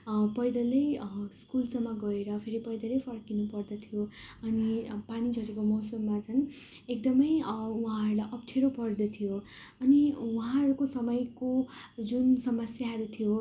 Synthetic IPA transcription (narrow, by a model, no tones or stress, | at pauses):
pʌjd̪ʌlejskulsʌmːʌɡʌeɾʌpʰeɾipʌjd̪ʌlejpʰʌrkinupʌrd̪ʌt̪ʰijoʌnipanid͡zʱʌɾekomʌwsʌmːat͡sʰʌn | ekd̪ʌmʌjuɦãɦʌɾulajʔʌp̚ʈʰeɾopʌrd̪ʌt̪ʰijoʌniwuɦãɦʌɾukosʌmʌjkod͡zunsʌmʌsjaɦʌɾut̪ʰijo